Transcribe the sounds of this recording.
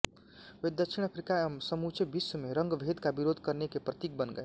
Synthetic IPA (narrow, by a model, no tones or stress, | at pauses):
ed̪əkʃʰiñəpʰɾikamsəmut͡ʃʰebisəmeɾʌŋɡbʱed̪kabiɾod̪ʱkʌɾnekepɾət̪ik̚bənɡə̰e